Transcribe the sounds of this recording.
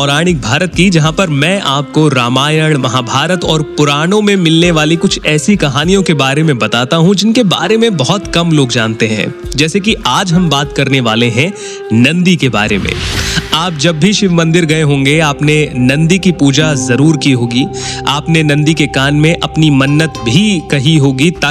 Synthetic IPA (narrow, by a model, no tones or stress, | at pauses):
ɔːɾaːɽ̃ɪk̚bʱaːɾət̪̚kid͡ʒɐɦãpɐɾmɛ̃ːʔaːp̚koɾaːmaːjəɽ̃mɐɦaːbʱaːɾət̪ɔːɾpʊɾaːɽ̃õmẽmɪlneʋaːlikʊt͡ʃʰɛːsikɐɦaːnijõkebaːɾemẽbɐt̪aːt̪aɦũd͡ʒɪnkeba̰ːɾemẽbɐɦɔt̪kɐmloːɡd͡ʒaːnt̪eɦɛ̰̃ːd͡ʒɛːsek̬iaːd͡ʒɦɐmbaːt̪kɐɾneʋaːleɦɛ̃ | nɐ̃nd̪ikeba̰ːɾḛmḛ̃ːaːp̚d͡ʒɐbːʱiʃɪʋmɐ̃nd̪ɪɾɡɐeɦõːŋɡeaːpnenɐ̃nd̪ikipuːd͡ʒazɐɾuːɾkiɦoːɡiaːpnenɐ̃nd̪ikekaːnmẽʔɐpnimɐnːət̪bʱikɐɦiɦoːɡit̪a